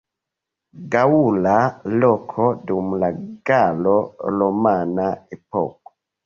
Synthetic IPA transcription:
ɡaulalɔkʰodumlaɡalolomanaepɔ̰ko̥

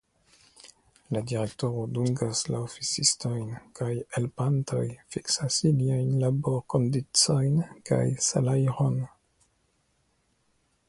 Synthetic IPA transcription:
ladiɾe̞k̚to̞ɾo̞duŋɡaslaofit͡sisto̞jnkajelpanto̞jfiksasiliajnlabo̞ɾko̞ndit͡so̞jnka̰jsa̰lajɾon

